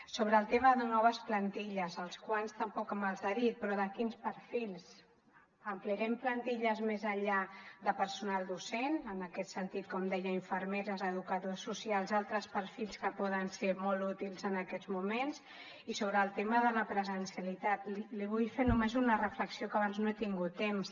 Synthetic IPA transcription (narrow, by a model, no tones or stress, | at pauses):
soβɾəːlˠt̪eməðənɔβ̞əsplənt̪iʎəzəlˠskwanst̪əmpɔkəməlˠzðəɾit̪̚pɾɔðəkinspəɾfilˠs | əmpliɾɛmplənt̪iʎəzmezəʎad̪əpəɾsunalˠd̪usenənəkɛt̪sənt̪it̪̚kɔmd̪ɛjəiɱfəɾmeɾəzəðukəðosːusialˠzalˠt̪ɾəspəɾfilˠskəpɔðənseɾmɔlˠut̪ilˠzənəkɛd̪d͡zmumens | isoβɾəːlˠt̪eməðələpɾəzənsiəlit̪at̪liliβ̞ujfenumezunərəfləksiokəaβanznoɛt̪iŋɡut̪ːems